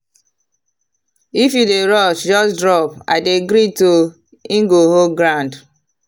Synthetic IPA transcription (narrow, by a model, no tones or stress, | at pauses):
ifjudeɹɔʃd͡ʒɔsdɹɔpa̰ɪdeɡɾito | ĩŋɡoɦoɡɾãnd